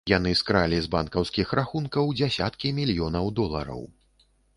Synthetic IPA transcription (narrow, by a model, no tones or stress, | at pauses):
jan̪ɨskɾalʲizbankɐwskʲixɾʔaxunkɐwd͡zʲasʲa̰t̪kʲimʲilʲjɔnɐwd̪ɔlˠɐ̰ɾɐ̰w